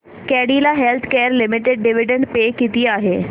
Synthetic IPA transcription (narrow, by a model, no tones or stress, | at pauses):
kɛːɽiːlaːɦɛlt̪ʰkɛːɾlɪmɪʈeɖːɪʋɪɖəɳɖpeːkit̪iaːɦeː